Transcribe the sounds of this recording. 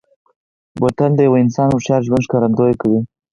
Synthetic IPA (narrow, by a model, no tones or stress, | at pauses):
wat̪and̪əjawaɪnsɑnwʊʃjɑɾʒwand̪ʃkɑɾand̪ojekawi